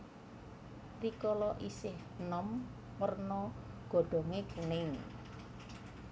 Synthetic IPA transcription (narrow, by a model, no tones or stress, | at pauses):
rikɔlɔʔisɪh | nɔmː | ərnɔɡ̥o̤ɖ̥ɔ̤ŋekunɪŋ